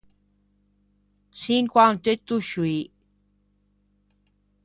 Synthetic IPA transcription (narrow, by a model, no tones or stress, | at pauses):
siŋkwant̪et̪uʃui